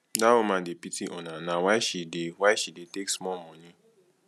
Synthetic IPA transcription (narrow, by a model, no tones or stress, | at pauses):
dawomãːdepitiʔɔnãnãwaɪʃidewaʃideteksmɔmɔ̃nĩ